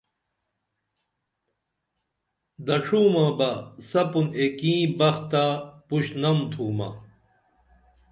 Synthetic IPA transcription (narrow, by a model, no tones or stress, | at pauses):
d̪ɐʂuːmɐbɐsɐpunekĩːbɐxt̪apuɕnɐmt̪ʰuːmɐ̰